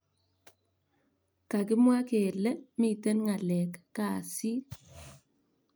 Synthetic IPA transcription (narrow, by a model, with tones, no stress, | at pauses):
ka˨k̬ɪ˦mwa˦ke˨lɛ˦mi˨te˦nŋa˨lɛ˨kːa˨si˦